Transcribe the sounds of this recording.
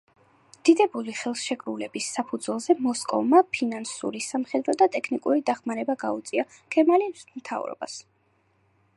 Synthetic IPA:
d̪̥id̪ɛbuliχɛlˠsʃɛkʰʼɾulɛbisːapʰud̪zwɛlˠzɛmɔskʼɔ̰vmapʰinansṵɾisamχɛd̪ɾɔd̪at̪ʼɛkʰnikʼuɾid̪aχmaɾɛbaɡaut̪sʼia | kʰɛmalismt̪ʰa̰vɾɔ̰ba̰s

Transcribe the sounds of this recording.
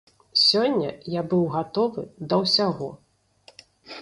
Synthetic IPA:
sʲɔnʲːɐjabɨwɣat̪ɔvɨ̰d̪ɐwsʲaɣɔ

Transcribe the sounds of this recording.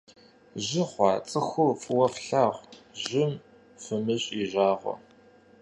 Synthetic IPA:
ʑɪχʷɑːt͡sʼɨxʷʊfɨwɐfɬaːʁʷʑʒɪm | fɨmɨɕʼiːʒaːʁʷɔ̰

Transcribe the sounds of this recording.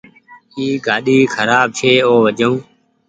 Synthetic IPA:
iːɡʱaːɗiːkʰəɾaːb̚t͡ʃʰeːoːʋəd͡ʒõː

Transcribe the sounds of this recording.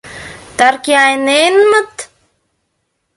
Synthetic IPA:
t̪aɾkiajnenmət̪

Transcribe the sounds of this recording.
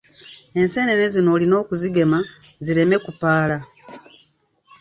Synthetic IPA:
e̞nse̞ːne̞nezino̞ːlino̞ːkuziɡe̞maziɾe̞me̞kupaːla

